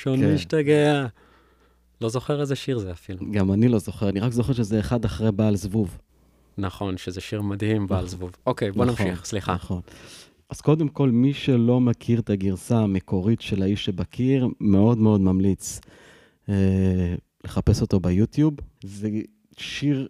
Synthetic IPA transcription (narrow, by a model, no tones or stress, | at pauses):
ʃoniiʃtaɡea | lo̞zo̞χeʁezeʃiʁzeafiluɡamanilo̞zo̞χeʁaniʁakzo̞χeʁʃezeːχad̪aχʁebaːlzvuv | naχo̞nʃezeʃiʁmad̪himbaalzvuvokejbonamiχsliχaχon | ʔaz̥ko̞d̪emko̞lmiʃe̞lo̞makʰiʁet̪aɡiʁsaːme̞kʰo̞ʁitʃe̞laiʃebakʰiʁme̞o̞dmeo̞d̪mamlit͡s | e | le̞χape̞so̞t̪o̞bejut̪jubze | ʃiʁ